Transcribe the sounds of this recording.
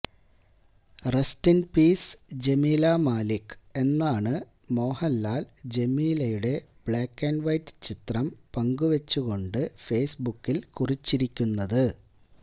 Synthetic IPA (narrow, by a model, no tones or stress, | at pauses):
restinpiːsd͡ʑe̞miːlamaːlikːɨ̥e̞nːaːɳɨ | mo̞ːhɐlːaːld͡ʑe̞miːlɐjuɽe̞b̥ɭaːkːenʋɐjtːɨ̥t͡ɕit̪rɐmpɐŋɡuʋet͡ɕːuɣo̞ɳɖɨfe̞ːsbukːilkurit͡ɕːiɾikʲːunːɐðɨ